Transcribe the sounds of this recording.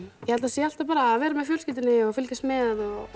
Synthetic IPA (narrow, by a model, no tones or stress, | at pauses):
jɛhalt̪asjɛalt̪apaːɾavɛːɾɪmɛðfjœːlscɪːt̪ɪnɪɔɣfɪlkast̪mɛðɔ